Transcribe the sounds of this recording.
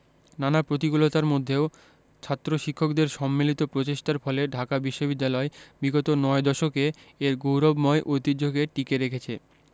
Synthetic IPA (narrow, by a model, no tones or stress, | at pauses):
nanapɾot̪̬ikulot̪aɾmod̪ʱːeo | t͡ɕʰat̪ːɾoʃikʰːokd̪eɾʃɔmːilit̪opɾot͡ɕeʃʈaɾfɔleɖʱakabiʃːobid̪ːalɔebiɡot̪onɔed̪ɔʃokeː | ɾɡowɾobmɔeʔojt̪id͡ʑoɡeʈikeɾekʰet͡ɕʰe